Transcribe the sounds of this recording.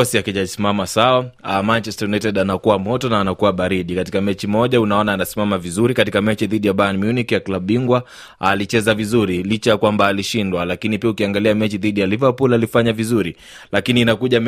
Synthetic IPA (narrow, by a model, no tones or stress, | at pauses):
ɔsiakid͡ʒasimamasawamant͡ʃɛstanɛtɛɗanakuwamɔtɔnaːnakuwaɓaɾiɗikatikamɛt͡ʃimɔʄaunaɔnaːnasi̥mamavizuɾikatikamɛt͡ʃiðiɗijaɓajanmjunikijaklabɓiŋɡwa | alit͡ʃɛzavizuɾilit͡ʃajakwambaːliʃindwalakinipiaukiaŋɡaliamɛt͡ʃiðiɗijalivapulalifaɲavizuɾi | lakiniːnakuʄam